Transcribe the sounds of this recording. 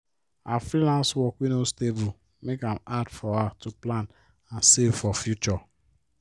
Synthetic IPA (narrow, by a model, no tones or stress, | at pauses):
afɾilãnswɔkwinostevu | mekamadfɔatuplan | ansevfɔfjut͡ʃɔ